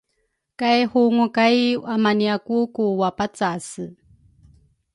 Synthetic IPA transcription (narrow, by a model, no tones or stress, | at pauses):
kajhuŋukajamaniakukuwapat͡sasɨ